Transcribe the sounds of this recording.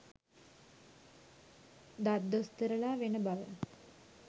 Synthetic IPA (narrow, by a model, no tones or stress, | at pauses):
d̪at̪ːost̪əɾəlaːʋenəbaʋə̰